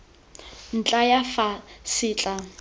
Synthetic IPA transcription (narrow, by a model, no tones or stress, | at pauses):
n̩t͡ɬʼajafasiːt͡ɬʼa